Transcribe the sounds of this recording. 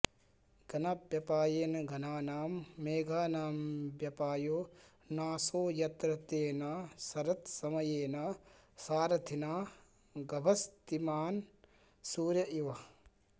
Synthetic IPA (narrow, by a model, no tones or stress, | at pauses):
ɡ̥ɐnapjɐpaːjeːnɐɡʱɐnaːnaːmːeːɡʱaːnaːmbjɐpaːjoː | naːsoːjɐt̪ɾɐt̪eːnɐsɐɾɐt̪sɐmɐjeːnɐsaːɾɐt̪ʰinaː | ɡɐbʱɐst̪imaːn | suːɾjɐʔiʋɐ